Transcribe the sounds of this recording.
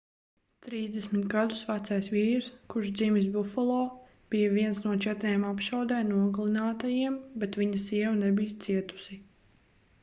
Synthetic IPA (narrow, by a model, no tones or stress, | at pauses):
t̪ɾiːzd̪ɛsmit̪ɡad̪usvat̪sajsviːɾskuɾʃd̪zimis̬bufɔlˠɔː | b̥ijaviɛnsnuɔt͡ʃɛt̪ɾeːmapʃawd̪ɛːmnuɔɡlˠinaːt̪ajiɛmbɛt̪viɲɐsiɛwunɛbijɐt̪siɛt̪u̥si